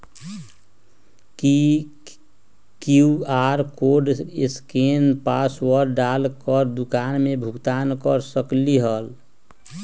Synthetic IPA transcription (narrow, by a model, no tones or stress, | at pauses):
ki | kuaɾkoɾɖɪskenpaswəɾɖalkəɾd̪ukanmebʱukt̪ankəɾsəkliɦəl